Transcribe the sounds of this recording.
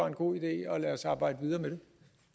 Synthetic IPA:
ɑ̈e̝nɡ̥o̝̰ːid̥e̝̰ːɒ̽læːɐɒsɑ̈ːb̥ɑ̈ɪ̰d̥əʋið̞ˠɐːmeɾ̥e̝

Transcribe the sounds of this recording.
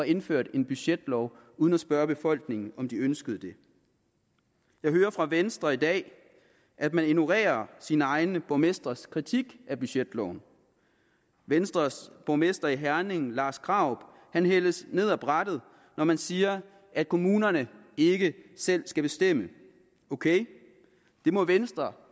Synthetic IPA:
ɑ̈e̝nføɐ̰d̥e̝nb̥yɕed̥lɒʊ | uðˠən̩æsb̥ɶɐb̥e̝fɒ̽l̰ɡ̥ne̝ŋn̩ɒ̽md̥iønsɡ̥əð̞̩ˠəd̥e̝ | jɑ̈ɪɦøːɐfʁɑ̈ʋensd̥ʁɐid̥ɛ̰ː | ʔæd̥mænenuʁḛːɐsinəɑ̈ɪnəb̥ɒʊmesd̥ʁɐskʰʁit͡sʰiɡ̥ʔæb̥yɕed̥lɒʊn̩ | ʋensd̥ʁɐb̥ɒʊmesd̥ɐiɦæɐne̝ŋn̩lɑ̈ːsɡ̥ʁɑ̈ʊ̰b̥ | hænɦel̰əsne̝ð̞̰ˠæb̥ʁad̥əð̞̩ˠ | nɒmænsiːɐ | ʔæd̥̚kʰo̝muːnɐnəe̝ɡ̥əsel̰sɡ̥æb̥e̝sd̥em̰ə | o̝kʰeɪ | d̥e̝mɔ̽ʋensd̥ʁɐ

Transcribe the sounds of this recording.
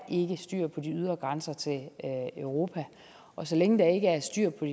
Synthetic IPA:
ʔe̝ɡ̥əsd̥y̰ɐ̰pʰɒ̽d̥iyð̞ˠʁɐɡ̥ʁansɐt͡sʰe̝løʊʁo̝ːpʰæ | ʔɒ̽sɒ̽leŋəd̥ɑ̈e̝ɡ̥əæɐsd̥yɐ̰pʰɒi

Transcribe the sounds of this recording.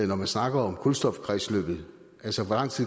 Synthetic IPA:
nɒmænsnɑ̈ɡ̥ɐɒ̽mkʰulsd̥ɒ̽fkʰʁɛslø̰ːb̥ð̩ˠ | ʔælsəʋɒlɑ̈ŋ̰t͡sʰið̰ˠ

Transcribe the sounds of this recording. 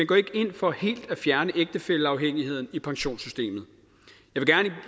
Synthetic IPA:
menɡ̥ɒ̰ːe̝ɡ̥əe̝n̰fɒ̽he̝̰ːld̥æfjæɐnəʔeɡ̥̚d̥əfeləɑ̈ʊɦeŋ̰ihe̝ð̰ˠn̩ipʰɑ̈ŋɕo̝̰ːnsysd̥e̝̰ːmð̩ˠ | jɑɪʋe̝ɡ̥æɐni

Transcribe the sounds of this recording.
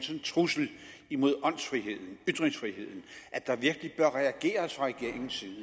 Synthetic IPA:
nsənt͡sʰʁusl̩imo̝ð̰ˠɒ̽n̰sfʁiɦe̝ð̞̰ˠn̩yd̥ʁeŋsfʁihe̝ð̰ˠn̩ʔæd̥ɑ̈ʋiɐɡ̥əlib̥ɶɐʁɛæɡ̥e̝̰ːɐsfɑʁɛɡ̥e̝ɐ̰e̝ŋn̩siðˠn̩

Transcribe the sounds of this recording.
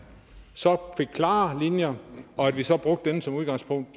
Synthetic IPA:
sɒ̽fe̝ɡ̥̚kʰlɑ̰̈ːlinjɐɒ̽æd̥ʋisɒb̥ʁɔ̽ɡ̥d̥enəsɒ̽muð̞ˠɡ̥ɑ̈ŋspʰɔ̽ŋ̰d̥

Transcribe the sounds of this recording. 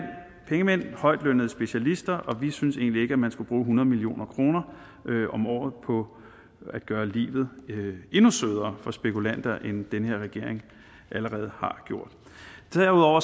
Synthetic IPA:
pʰeŋəmen̰hɒ̽ɪ̰d̥lønəð̞̩ˠsb̥e̝ɕælisd̥ɐʔɒ̽ʋisynəse̝̰ːnlie̝ɡ̥əæmænsɡ̥ub̥ʁuːɦunɐð̞ˠmilio̝̰ːnɐkʰʁo̝ːnɐ | øʔɒ̽mɒ̰ːð̩ˠpʰɒ̽ | æd̥̚ɡ̥ɶːɐlḭːʋð̞̩ˠe̝nusøð̞ˠɐːfɒ̽sb̥e̝kʰulæn̰d̥ɐʔend̥enəhe̝ɐ̰ʁɛɡ̥e̝ɐ̰eŋ | ʔæləʁɛːð̞̩ˠhɑ̈ɡ̥jo̝ɐ̰d̥ | d̥ɐuðˠɒʊ̰ɐ

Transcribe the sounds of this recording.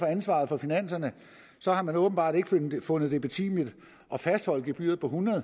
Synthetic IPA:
fɒ̽ænsʋɑ̰̈ðˠfɒ̽finæn̰sɐnə | sɒ̽hɑ̈mænɔ̽ːb̥n̩b̥ɑ̈ːd̥e̝ɡ̥əfɔ̽nð̞̩ˠd̥e̝b̥et͡sʰḭmid̥ | ʔɒ̽fæsd̥hɒ̽l̰d̥ɡeb̥y̰ːɐð̩ˠpʰɒ̽ɦunɐðˠ

